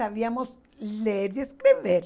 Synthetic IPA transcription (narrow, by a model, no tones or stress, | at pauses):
aβiamos | leeɾjeskɾiβeɾ